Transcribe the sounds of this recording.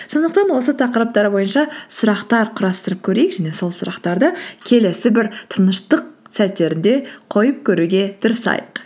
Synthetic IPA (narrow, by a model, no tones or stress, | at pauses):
so̞nd̪əq̚t̪ɑnwo̞sət̪ʰɑqəɾəp̚t̪ɑɾəbo̞jənʃɑsʊɾɑqt̪ɑɾqʰʊɾɑst̪əɾəp̚kʲʰɵɾe̞jɪkʒæne̞so̞lˠsʊɾɑqt̪ɑɾd̪əkʲʰe̞le̞sɪbɪɾt̪ʰənəʃt̪əqsæt̪ːe̞ɾɪnd̪e̞qʰo̞jəp̚kʲʰɵɾuɡʲe̞d̪̥ʰəɾəsɑ̰jəq